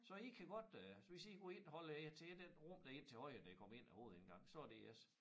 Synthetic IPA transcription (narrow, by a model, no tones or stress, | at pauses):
sɒ̽ikʰæɡ̥ɒ̽d̥ʋesiɡ̥ɔe̝n̰hɒ̽ləæt͡sʰeːd̥enʁɔm̰d̥æe̝n̰t͡sʰe̝hɒ̽ɪ̰əd̥æikʰɒ̽me̝n̰æho̝ːð̞̩ˠen̩ɡ̥ɑ̈ŋ̰sɒ̽æd̥e̝æs